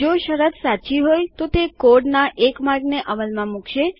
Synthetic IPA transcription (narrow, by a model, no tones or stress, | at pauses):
oʃəɾət̪sat͡ʃiɦojt̪ot̪ekoɖnaʔekmaɾɡneʔəʋəlmãmukʰʃe